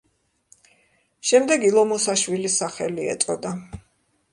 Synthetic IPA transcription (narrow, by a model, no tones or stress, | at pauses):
ʃɛmd̪ɛɡilˠɔmɔsaʃwilisaχɛliɛ̰t̪sʼɔd̪a